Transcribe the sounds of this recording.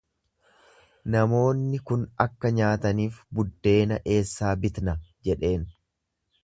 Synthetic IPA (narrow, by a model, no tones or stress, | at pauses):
nɐmo̞ːnːɪkʊnɐkːɐɲaːt̪ɐniːfbʊd̪ːe̞ːnɐʔe̞ːsːaːbɪt̪nɐd͡ʒɛᶑe̞ːn